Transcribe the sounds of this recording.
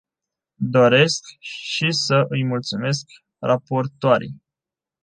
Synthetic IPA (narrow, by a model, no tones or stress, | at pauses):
d̪o̞ɾe̞skʃisəʔɨjmult̪sume̞sk | rapo̞rt̪oaɾḭj